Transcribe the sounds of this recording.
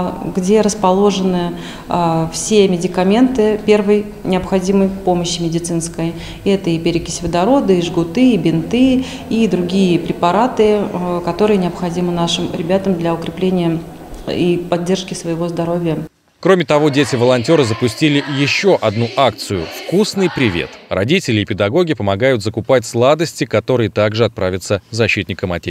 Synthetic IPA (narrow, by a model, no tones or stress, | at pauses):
ɡdʲe̞ɾəspɐlˠo̞ʐɨnɨ | fsʲe̞mʲɪdʲɪkɐmʲe̞nt̪ɨpʲe̞rvəj | nʲɪɐpxɐdʲiməjpo̞məɕːɪmʲɪdʲɪt̪sɨnskəj | ɛt̪əipʲɪɾʲɪkʲɪ̥sʲvʲɪd̪ɐɾo̞d̪əiʐɡʊt̪ɨibʲɪnt̪ɨ | id̪ɾʊɡʲijəpɾʲɪpɐɾat̪ɨkɐt̪o̞ɾɨjənʲɪɐpxɐdʲimɨnaʂɨmɾʲɪbʲat̪əmd̪lʲɐʊkɾʲɪplʲenʲɪjə | ipɐdʲːe̞rʂkʲɪsvəjɪvo̞zd̪ɐɾo̞vʲɪjə | kɾo̞mʲɪt̪ɐvo̞dʲetʲɪvəlˠɐnʲtʲo̞ɾəzəpʊsʲtʲilʲɪjɪɕːo̞ʔɐd̪nuʔak̚t̪sɨjʊfkusnɨjpɾʲɪvʲḛt̪rɐ̰dʲitʲɪlʲɪːpʲɪd̪ɐɡo̞ɡʲɪpəmɐɡajʊt̪zəkʊpatʲslˠad̪əsʲtʲɪkɐt̪o̞ɾɨjət̪aɡʐɨɐt̪̚pɾavʲɪt̪səzɐɕːit̪ʲnʲɪkəmɐ̰tʲe